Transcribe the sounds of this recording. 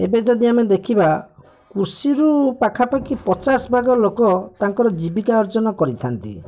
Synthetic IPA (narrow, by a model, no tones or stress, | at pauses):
ebed͡ʒɔd̪iamed̪ekʰiba | kuɾsiɾupakʰapakipɔt͡ʃasbʱaɡɔlokɔt̪aŋkɔɾɔd͡ʒibikaɔɾd͡ʒɔnɔkɔɾit̪ʰant̪ḭ